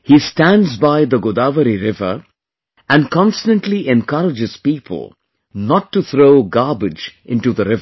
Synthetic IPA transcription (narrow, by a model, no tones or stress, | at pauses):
hisʈæ̃nɖzbaɪd̪əɡʊd̪aːʋəɾiɾɪvə̰ | æ̃nɖkɔ̃nstə̃nʈliʔɛ̃nkʌɾɪd͡ʒɪz̥piːpʰə̰l̩ˠ | nɔʈːuθʰɾoːɡaːbɪd͡ʒʔɪ̃nʈud̪əɾɪvə